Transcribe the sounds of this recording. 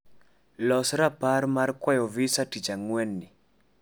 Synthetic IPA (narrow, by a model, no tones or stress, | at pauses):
lɔsɾapaɾmarkwajɔvisatit͡ʃaŋwɛnːɪ